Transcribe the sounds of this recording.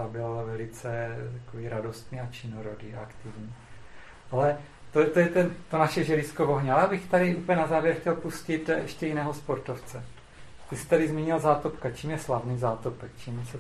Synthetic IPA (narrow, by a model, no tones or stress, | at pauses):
abɪlvɛlɪt͡sɛt̪akoviːɾado̞st̪niːat͡ʃɪnoɾodiːaakt̪ɪvɲiː | ʔalɛ | t̪ot̪ojɛt̪ɛnt̪onaʃɛʒɛɾɪskovo̞ɦɲɛajaːbɪxt̪adɪʔuːpəlɲɛnazaːvjɛɾxcɛlpuscɪt̪ɛʃcɛjɪnɛːɦospo̞ɾt̪oft͡sɛ | t̪ɪsɪ̥t̪adɪzmiːɲɪlzaːt̪opkat͡ʃiːmjɛslavniːzaːt̪opɛkt͡ʃiːmjɛsɛ